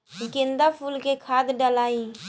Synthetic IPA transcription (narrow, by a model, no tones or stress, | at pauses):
ɡɪ̃nd̪apʰuːlkekʰaːd̪ɖəlaːi